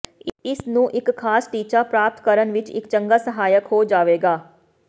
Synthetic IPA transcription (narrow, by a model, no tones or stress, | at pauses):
ɪsnũːʔɪkkʰːaːsʈiːt͡ʃaːpɾaːp̚t̪kəɾənʋɪt͡ʃɪ̰kt͡ʃəŋɡaːsəɦaːjəkɦoːd͡ʒaːʋeːɡaː